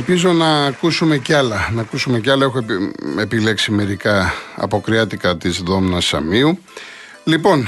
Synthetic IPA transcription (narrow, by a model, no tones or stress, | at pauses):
elpizo̞nɐːkusume̞cɐlɐnɐːkusume̞ceɐlɐe̞xoepile̞ksime̞ɾikɐɐ̰po̞kɾiɐt̪ikɐt̪izðo̞mnɐsɐ̰miu | lipo̞n